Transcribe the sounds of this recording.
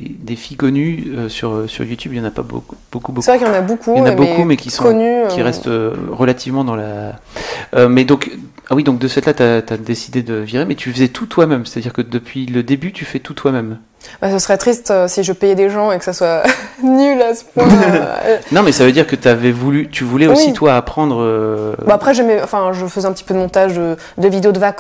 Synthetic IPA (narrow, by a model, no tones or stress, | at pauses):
d̪efijkɔnyøsyʁøsy̰ʁjut̪ʰʲybjɑ̃napa̰bo̰kubokubosɛvʁɛkjɑ̃nabokʰujɑ̃nabokumɛkʲisɔ̃kɔnykiʁɛsst̪øʁəlat̪ivmɑ̃d̪ɑ̃la | ømɛd̪ɔ̃k | awid̪ɔ̃k̚d̪əsɛt̪lat̪yat̪yad̪esid̪ed̪əviʁemɛt̪ʰyfəzɛt̪ʰut̪wamɛmse̥t̪ad̪iʁkəd̪əpʰɥiləd̪ebyt̪yfɛt̪ut̪ʰwamɛm | basəsəʁɛt̪χist̪øsiʒəpɛjɛd̪eʒɑ̃ekə̥saswanylasəpɛ̃ | nɔ̃mɛsavød̪iʁkət̪yavɛvulyt̪yvulɛowsit̪ʰwaːpχɑ̃d̪ʁøbaapχɛʒɛmɛɑ̃fɛ̃ʒəfəzɛ̃pət̪ipød̪əmɔ̃t̪aʒd̪ə | d̪əvid̪eod̪əvak